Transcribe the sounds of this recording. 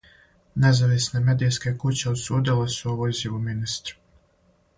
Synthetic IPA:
ne̞zaʋisneme̞d̪ijske̞kut͡ɕeod̪suːd̪ilesuoʋoiziʋuminist̪ɾu̥

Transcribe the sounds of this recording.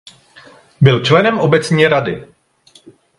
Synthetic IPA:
bɪlt͡ʃlɛnɛmʔo̞bɛt͡sɲɛɾadɪ

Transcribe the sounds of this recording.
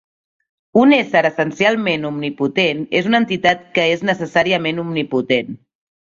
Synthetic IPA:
unesəɾəsənsialˠmenumniput̪enezunənt̪it̪at̪̚kəeznəsəsaɾiəmenumniput̪en

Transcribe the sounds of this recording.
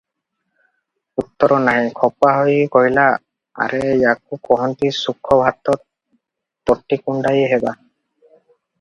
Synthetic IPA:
ut̪ːɔɾɔnaɦĩkʰɔpaɦɔjkɔɦila | a̰ɾejak̚ukɔɦɔnt̪isukʰːɔbʱat̪ɔt̪̚ | pɔʈːikuɳɖajeɦeba

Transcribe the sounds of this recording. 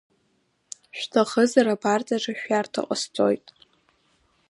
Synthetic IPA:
ʃᶣtʰaχəzaɾabart͡sʼaʐaʃᶣartʰa̰qʷʼə̰st͡sʼojtʼ

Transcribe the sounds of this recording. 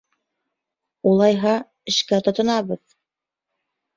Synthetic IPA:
ulˠɑjɦɑ | ɘ̆ʃkæt̪ŏt̪ɤ̆nɑβɤð

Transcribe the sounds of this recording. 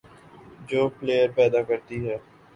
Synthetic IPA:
d͡ʒoːpleːjəɾpɛːd̪aːkəɾt̪iɦɛː

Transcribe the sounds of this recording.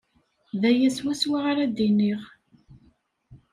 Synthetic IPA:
ðæjæswæswaʁaɾad̪iniʁ

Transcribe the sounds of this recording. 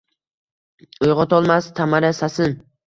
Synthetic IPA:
ojʁɒt̪ɒlˠmast̪ʰamaɾasasɪn

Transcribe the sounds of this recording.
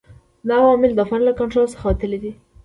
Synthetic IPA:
d̪əawɑmɪld̪əfaɾlakaɳʈɾolsə̥xawat̪əlid̪i

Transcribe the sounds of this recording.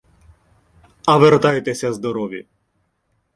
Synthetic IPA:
ɐʋert̪ɑjt̪ɛsʲɐzd̪ɔɾɔʋʲjḭ

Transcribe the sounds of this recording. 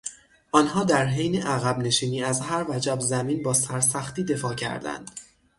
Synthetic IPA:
ʔɒːnɦɒːd̪æɾɦejneʔæɣæbne̞ʃiːniːæzɦæɾvæd͡ʒæbzæmiːnbɒːsæɾsæxt̪iːd̪e̞fɒːcʰæ̰ɾd̪æ̰nd̪̥

